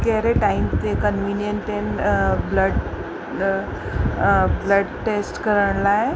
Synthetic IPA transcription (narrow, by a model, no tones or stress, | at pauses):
kɛɾeʈaimt̪ekənʋinjənʈenbləɖ | bləɖʈesʈkəɾəɳlaɦe